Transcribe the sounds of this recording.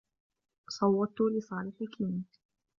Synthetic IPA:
sˤɑwːɑʊlɪsˤɑːlɪħɪkʰiːn

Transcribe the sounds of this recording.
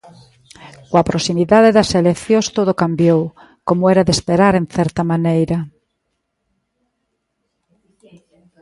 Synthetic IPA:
kwapɾosimiðaðeðaselekθjost̪oð̞okambjow | komoeɾaðespeɾaɾenθeɾt̪amanejɾa

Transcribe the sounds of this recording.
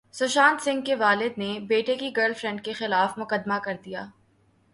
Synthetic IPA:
sʊʃaːnsɪ̃ŋɡkeʋaːlɪd̪nebeːʈekiɡəːɾlfɾɛ̃ɳɖ̚kexɪlaːfmʊkəd̪makɐɾd̪ijaː

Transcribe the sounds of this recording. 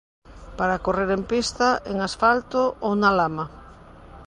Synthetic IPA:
paɾakoreɾempist̪aeŋasfalt̪oonalama

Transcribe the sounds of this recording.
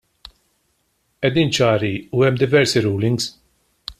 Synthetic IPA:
ɛd̪iːnt͡ʃɐːɾiuɛmːd̪ɪvɛɾsiɾuːlɪŋɡs

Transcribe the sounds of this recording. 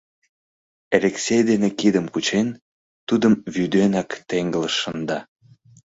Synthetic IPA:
eleksʲejd̪enekid̪əmkut͡ɕen | t̪ud̪əmβyd̪enɑkt̪eŋɡələʃːənd̪ɑ

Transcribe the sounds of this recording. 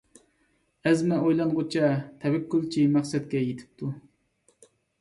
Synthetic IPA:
ɛzmɛojlˠɑnʁʊt͡ʃʰɛt̪ʰɛwɛkʲʰːylˠt͡ʃʰimæχsɛt̪̚kʲɛjet̪ʰɪ̥p̚t̪ʰu

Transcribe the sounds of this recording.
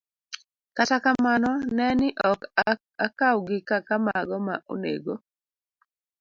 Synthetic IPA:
katakamanɔnɛnɪʔɔk | akawɡɪkakamaɡɔma̰ʔo̰nḛɡo

